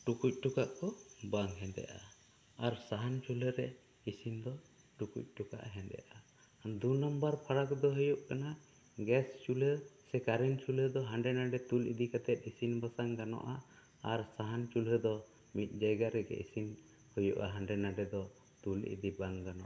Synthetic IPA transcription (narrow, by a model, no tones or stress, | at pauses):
ʈukuc̚ˀʈukaʔkɔbaŋɦɛnd̪ɛ̰ʔa̰ | aɾsaɦant͡ʃuləɾɛ | isind̪ɔ | ʈukṵc̚ˀʈuka̰ʔɦɛnd̪ɛ̰ʔa | d̪unambaɾpʰaɽakd̪ɔɦujuʔkana | ɡɛst͡ʃuləsɛkaɾɛnt͡ʃuləd̪ɔɦãɳɖɛnaɖɛt̪ulḭd̪ikat̪ɛt̪̚ˀisinbasaŋɡanɔ̰ʔa | aɾsaɦant͡ʃulɦəd̪ɔ | mit̪̚ˀd͡ʒajɡaɾɛɡɛ̰ʔḭsin | hujuʔaɦaɳɖɛnaɖɛd̪ɔ | t̪ulḭd̪ibaŋɡanɔ̰ʔa